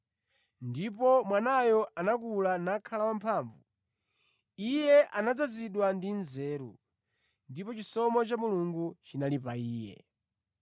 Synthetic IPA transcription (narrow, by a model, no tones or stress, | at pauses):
ndipɔmwanajɔʔanakulanakʰalawampʰaːɱvu | ijɛʔanad͡zaziɗwandinzɛːɾṵ | ndipɔt͡ʃisɔmɔt͡ʃamuluŋɡut͡ʃinalipaiːjɛ̰